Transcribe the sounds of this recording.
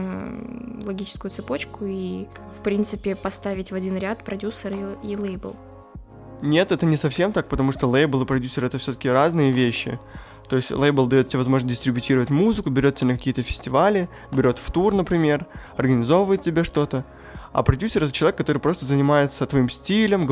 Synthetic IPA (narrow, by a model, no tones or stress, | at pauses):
lˠɐɡʲit͡ɕɪ̥skʊjʊt̪sɨpo̞t͡ɕkʊi | fpɾʲint̪sɨpʲɪpɐst̪avʲɪtʲvɐdʲinɾʲat̪pɾɐdʲusəɾilˠejbə̰lˠ | nʲe̞t̪ɛt̪ənʲɪsɐfsʲe̞mt̪ak̚pət̪ɐmuʂt̪olˠɛjbəlˠɨpɾɐdʲusʲːɪɾɛt̪əfsʲot̪ə̥kʲɪɾaznɨjəvʲeɕːɪ̰ | t̪o̞ɪsʲtʲlˠejbəlˠd̪ɐjot̪̚tʲːɪevɐzmo̞ʐnəs̬ʲdʲɪsʲt̪ɾʲɪbʲɪtʲiɾəvətʲmuzɨkʊbʲɪɾʲot̪̚ʲːɪenəkɐkʲijət̪əfʲɪ̥sʲtʲɪvalʲɪ | bʲɪɾʲo̞t̪ft̪urnəpɾʲɪmʲe̞rɐrɡənʲɪzo̞vvəjɪt̪̚tʲɪbʲeʂt̪o̞t̪ə | a̰pɾɐdʲusʲːɪɾɛt̪ət͡ɕɪɐvʲekːɐt̪o̞ɾɨpɾo̞st̪əzənʲɪmajɪt̪sət̪vɐimsʲtʲilʲəmɡ